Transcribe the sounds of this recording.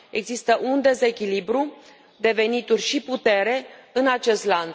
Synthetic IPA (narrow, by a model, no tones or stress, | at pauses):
e̞ɡzist̪əʔund̪e̞ze̞kʲilibɾu | d̪e̞ve̞nit̪urʲʃiput̪e̞ɾe̞ɨnat͡ʃe̞st̪lant̪